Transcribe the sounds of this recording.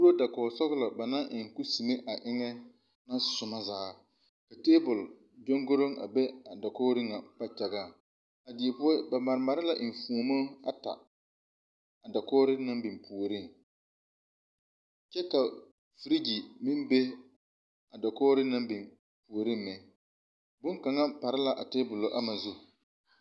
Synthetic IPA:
ku˦ɾo˦da˨kɔː˨sɔ˦ɣlɔ˨ba˨na˦ʔɪ˨ŋku˦si˨me˦ʔa˨ʔɪ˦ŋɛ˦ | na˦sʊ˨ma˦zaː˨˦ | ka˨teː˦bʊ˨l | d͡ʒo˦ŋɡʊ˦ɾo˦ŋa̰˨be˦a˨dɔ˨kɔː˦ɾɪ˦ŋa˨pa˦t͡ʃa˨ɡaː˦˨ | a˨dɪ˨pʊ˦ɛ˦ba˨ma˨ɾɪ˨ma˨ɾɪ˦la˨ʔɪ˨n˨fu˨mo˦a̰˨ta̰˨ | a˨da˨koː˦ɾɪ˦na˦mbɪ˨mpu˨ɾɪ˦˨ŋ | t͡ʃɛ˦ka˨ | fi˦ɾi˦d͡ʒi˨mɪ˦mbe˦ | a˨da˨koː˦ɾɪ˦na˦mbɪ˨n | pu˨ɾɪ˦mːɛ˨ | bʊ˦ŋka˨ŋa˦pa˨ɾɪ˦la˨ʔa˨teː˦bʊ˨lʊ˨˦ʔa˦ma˨zʊ˦˨

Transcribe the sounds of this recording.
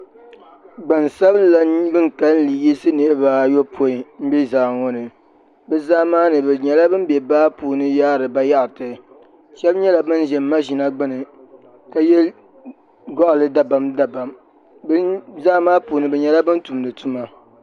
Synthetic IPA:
ɡ͡ba˨nsa˦bɨ˦la˨˦bɨ˦ŋ˨ka˦lli˨ji˦sɨ˦ne˦ba˦jo˦pʰo˦i˨m̩˦bɛ˦zaː˨ŋɔ˦nɨ˨ | bɛ˦zaː˦maː˦nɨ˨bɛ˨ɲɛ˨la˦bɨ˦m˦bjɛ˨baː˦puː˨nɨ˦jaː˦ɾɨ˨ba˦ja˦ʔtɨ˨ | ʃɛ˦bɲɛ˦la˨bɨ˦nʒɛ˨mː˦a˦ʒi˨na˦ɡ͡bɨ˦nɨ˨ | ka˨jɛ˦l | ɡɔ˦ʔlɨ˦da˨ba˨mda˨ba˨m˦ | zaː˦maː˦puː˨nɨ˦bɛ˨ɲɛ˨la˦bɨ˦ntu˨mlɨ˨tʰu˦ma˦

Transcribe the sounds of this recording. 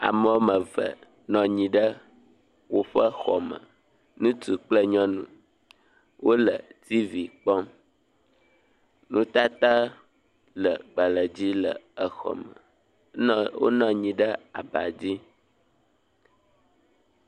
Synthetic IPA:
a̰˨mə˦wo˦mə̃˨və̰˨ | nɔ̃˨ɲĩ˨ɖə˦ | wo˦ɸə˦xɔ˨mə̰̃˨ | nũ˦t̪u˨k͡plə˦ɲɔ̃˦nṵ̃˦ | wʔo˦lə˨t̪i˦vi˨k͡pɔ̃˦m | nũ˦t̪a˦t̪a˦ | lə˨ɡ͡ba˨lə˨d͡ʑi˦lə̰˨ə˨xɔ̰˨mə̰˨ | wo̰˦nɔ̃˨ɲĩ˨ɖə˦a˨ba̰˨d͡ʑi˦

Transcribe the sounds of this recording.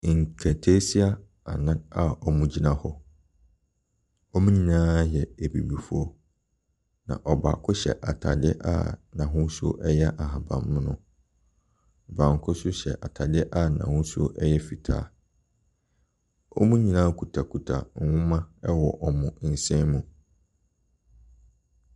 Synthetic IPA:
ŋ̩˨kʰɛ˨tʰe˦si˦a˦ | a˨nã˦a˨ɔ˨mũ˨˦d͡ʑi˦nã˦hɔ˦ | ɔ˦mũ˦ɲĩ˨nãː˦jɛ˨e˨bḭ˨bi˨fʊ˦ɔ˦ | nã̰˨ʔɔ˨ba̰˨kʰʊ˦ɕɛ̰˨ʔa˨tʰa̰˨dɪ˦ʔa̰˦nã˨ɦʊ̃˦sʊ˦o˦ʔɛ˦jɛ˦ʔa˨ɦa˨bã̰˨mːʊ̃˦nʊ̰̃˨ | bã˨ŋ˨kʰʊ˦sʊ˦ɕɛ̰˨ʔa˨tʰa˨dɪ˦ʔa˦˨nã̰˨hʊ̃˦sʊ˦ʔɛ˦jɛ˦fi˨tʰa̰ː˦ | ɔ˦mũ˦ɲĩ˨nãː˦kʰu˨tʰa˨kʰu˨tʰa̰˨ŋ̩ʷ˨˦ʊ̃˦mã˦ɛ˦wɔ˨ʔɔ˨mʊ̃˨n̩˨sɛ̃˦mũ˨

